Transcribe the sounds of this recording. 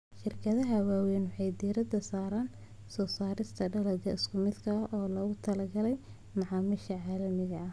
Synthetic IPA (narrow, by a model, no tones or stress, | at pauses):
ʃɪrkʰɐðɐɦɐwaːwɛjnwʊħɑjd̪iːɾɐd̪ɐsaːɾaːn | sɔːsaːɾɪst̪ʰɐɖɐlɐɡɐɪskʰʊmɪd̪kʰɐʔɔːlɔːɣʊt̪ʰɐlɐɡɐlɛj | mɑʕɑːmɪʃɐʕaːlɐmɪɣɐɐ